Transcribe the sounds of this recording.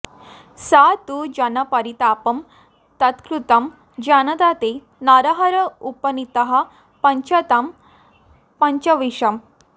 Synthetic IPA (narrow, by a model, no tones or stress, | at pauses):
sat̪ud͡ʑɐnɐpɐɾit̪apɐm | t̪ɐt̪kɾut̪ɐm | d͡ʑanɐd̪at̪e | naɾɐɦɐɾɐupɐnit̪ɐɦɐ | pɐɲt͡ɕɐt̪ɐm | pɐɲt͡ɕɐʋiʂɐm